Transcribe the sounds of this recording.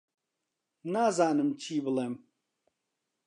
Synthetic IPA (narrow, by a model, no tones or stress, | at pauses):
naːzaːnɨmt͡ʃʰiːbɨlɛm